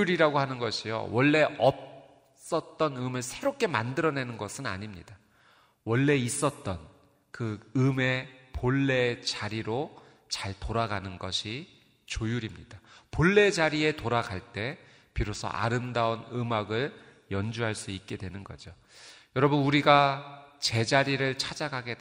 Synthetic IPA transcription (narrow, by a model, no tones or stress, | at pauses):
uɾiɾaɡohanɯnɡʌɕʰijo̰wʌɭːe̞ʔʌp̚ | s͈ʌt̚t͈ʌnɯmɯɭsʰe̞ɾop̚k͈e̞mandɯɾʌne̞nɯnɡʌsʰɯna̰ɲimɲida | wʌɭːe̞is͈ʌt̚t͈ʌn | kɯɯme̞poɭːe̞t͡ɕaɾiɾo | t͡ɕaɭtoɾaɡanɯnɡʌɕʰi | t͡ɕojuɾimɲid̥apoɭːe̞d͡ʑaɾie̞toɾaɡaɭt͈e̞ | piɾosʰʌ̰ʔa̰ɾɯmdaunɯmaɡɯɭ | jʌnd͡ʑuɦaɭs͈uik̚k͈e̞dwe̞nɯnɡʌ̰d͡ʑo | jʌɾʌbɯnuɾiɡat͡ɕe̞d͡ʑaɾiɾɯɭt͡ɕʰad͡ʑaɡaɡe̞